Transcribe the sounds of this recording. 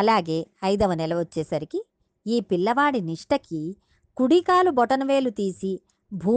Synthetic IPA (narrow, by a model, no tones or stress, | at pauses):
ɐlaːɡe̞ːɐjd̪ɐʋɐnɛlɐʋot͡ʃːɛːsɐɾikiː | pilːɐʋaːɽiniʂʈɐki | kuɽikaːlubɔʈɐnɐʋe̞ːlut̪iːsi | bʱuː